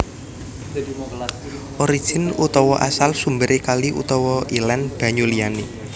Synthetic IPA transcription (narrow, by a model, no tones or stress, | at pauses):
ʔoɾi̥ʒ̥ɪ̤nut̪ɔwɔʔa̰salsumbəɾekaliʔṵt̪ɔwɔʔilɛnb̥ä̤ɲulijane